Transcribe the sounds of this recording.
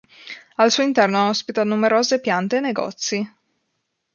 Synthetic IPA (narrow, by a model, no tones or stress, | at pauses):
alsuoint̪ɛrnoaɔspit̪anumeɾoːzepjant̪eːnːeɡɔ̰t̪sːi